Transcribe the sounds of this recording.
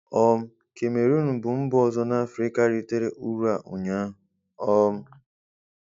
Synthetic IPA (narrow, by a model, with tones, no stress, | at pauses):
ɔ˦m̩˦ | ke˨me˨ɾu˦nʊ˨bʊ˨m̩˦bʊ˦ɔ˨zɔ˦na˦a˦fɾi˦ka˦ɾi˦te˦ɾe˨ʔu˦ɾu˦a˨ʔʊ˨ɲa˦ɦʊ˨ | ɔ˦m̩˦